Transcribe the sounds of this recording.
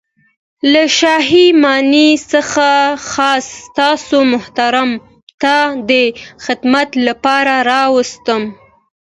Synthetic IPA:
laʃɑɦimɑnisəxaxɑst̪ɑsomʊht̪aɾam | t̪ɑd̪əxɪd̪mat̪lapɑɾaɾɑwəst̪əm

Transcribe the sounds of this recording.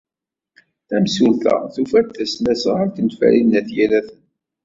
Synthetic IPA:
θæmsulθæ̰θufæt̪ːæsnæsəʁaɾtənt̪fæ̰ɾinːæθjælæθən

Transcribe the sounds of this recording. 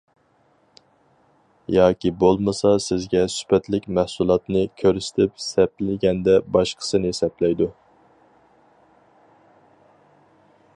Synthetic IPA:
jɑːkʲibolˠmɨsɑsɪzɡʲɛsy̥pɛt̪lɪkʲmæhsulˠɑt̪nɨkʲʰøɾsɪ̥t̪ʰɪpsɛplɪlɪɡʲɛnd̪ɛbɑʃqʰə̥sɨnɨhesɛplɛjd̪u

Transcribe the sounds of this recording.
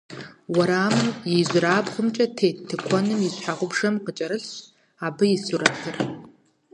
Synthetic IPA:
wɐɾaːmɨnjɛʑʷraːbχəmt͡ʃʼɐtʰeːtʰːɨkʷʰɔnɨmjɪɕħaʁʷʊbʂɐmqət͡ʃʼɐɾɨɬ | aːbɨjɪsuɾɐpʰɨr

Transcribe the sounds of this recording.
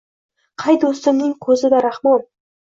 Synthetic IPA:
qʰɑjd̪ost̪əɾmnɪŋkʲʰɵzɪd̪æɾɑχmɑlˠ

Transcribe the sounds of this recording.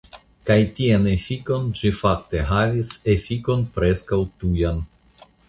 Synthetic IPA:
kajtianefiko̞nd͡ʒifak̚te̞ɦavise̞fiko̞npɾe̞skawtujan

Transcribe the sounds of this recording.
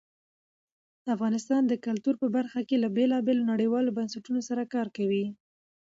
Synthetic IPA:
əafɣɑnɪst̪ɑnd̪əkalt̪uɾpəbaɾxakelabelɑbelonaɽəjwɑlobansaʈunosaɾakɑɾkawi

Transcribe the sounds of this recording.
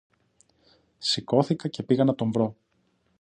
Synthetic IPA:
siko̞θikɐce̞piɣɐnɐt̪o̞ɱvɾo̞

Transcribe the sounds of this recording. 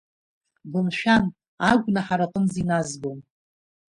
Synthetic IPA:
bɨmʃᶣan | aɡʷnaħaɾaqʼənzinazɡom

